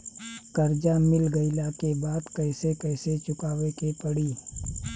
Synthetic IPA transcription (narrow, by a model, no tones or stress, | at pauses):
kɐɾd͡ʒamɪlɡɐilaːkebaːd̪kɐːsekɛːset͡ʃʊkaːʋekepɐɽiː